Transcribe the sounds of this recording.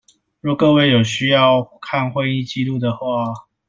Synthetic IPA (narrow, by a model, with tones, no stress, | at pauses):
ɻɔ˥˩kɤ˥˧we˥˩ɪjo˨˩ʊɕy˥jɑ˥˧ʊkʰa˥˨nxwə˥˧ni˥˧t͡ɕi˥˧lu˥˩d̪ə˩xwa˥˩